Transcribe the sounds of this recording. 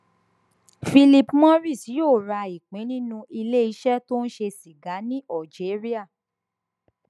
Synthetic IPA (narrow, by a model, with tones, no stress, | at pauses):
fi˧li˧pmɔ̃˦ɾi˦˨si˨˦joː˦˨ɾa˧i˨k͡pĩ˨˦nĩ˦nũ˧ʔi˧le˦i˨˦ʃɛ˦to˦n̩˦ʃe˧si˨ɡa˨˦nĩ˦ʔɔ˦˨d͡ʒe˨˦ɾi˦a˦˨